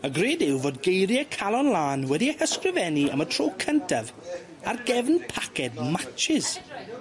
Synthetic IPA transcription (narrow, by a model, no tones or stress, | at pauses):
əɡreːdɪwvoːd̚ɡejɾjəkʰalˠɔnlˠaːnwɛdiəhəskrɪvɛniə̰mətʰroːkʰəntʰav | arɡɛvnpʰakʰɛd̚mat͡ʃɪz̥